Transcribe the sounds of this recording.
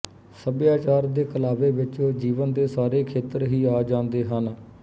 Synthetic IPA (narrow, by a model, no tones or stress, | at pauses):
səbjaːt͡ʃaːɾd̪eːkəlaːʋeːʋɪt͡ʃõːd͡ʒiːʋənd̪eːsaːɾeːkʰeːt̪əɾɦiːaːd͡ʒãːnd̪eːɦən